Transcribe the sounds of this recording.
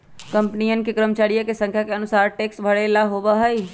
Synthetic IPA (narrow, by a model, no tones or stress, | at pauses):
kə̃mpnijənkekɾəmt͡ʃaːɽijekesə̃ŋkʰjakeɐnʊsaːɾʈeːksbʱəɽelaɦobaɦəi